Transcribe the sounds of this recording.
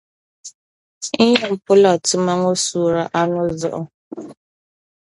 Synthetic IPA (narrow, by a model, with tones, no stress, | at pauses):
i˦ɲe˨m̩˦pʊ˦lɔ˦˨tʊ˦ma˦ŋo˦su˨ɾa˨ʔa˦nʊ˦zɔ̰˦ʔɔ˦